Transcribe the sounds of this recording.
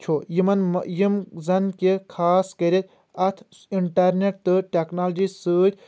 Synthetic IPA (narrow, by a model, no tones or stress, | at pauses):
t͡ʃʰojimɐnjimzɐnkekʰaːskɐɾit̪ | ɐt̪ʰ | iɳʈɐɾneʈ̚t̪ɨʈeknaːlɐd͡ʒisɨːʈʰʲ